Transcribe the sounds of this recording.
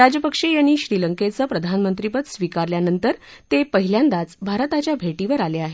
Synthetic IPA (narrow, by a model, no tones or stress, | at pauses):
ɾad͡ʑjəpəkʂejaɳːiːɕɾiləŋket͡səːpɾəd̪ʱanmənt̪ɾipət̪sʋikaɾljanənt̪əɾ | t̪epəɦiljand̪at͡sbʱaɾt̪at͡ɕjabʱeʈiʋəɾaleaɦe